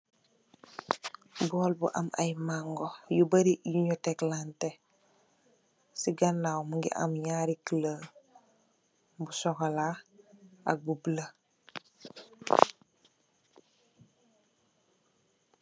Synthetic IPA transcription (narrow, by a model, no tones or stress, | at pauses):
bɔlbṵʔa̰ma̰jmaŋɡojubəɾijuɲɔteklante | siɡanːawmuŋɡḭʔa̰mjaɾiklə | busɔkala | aɡublə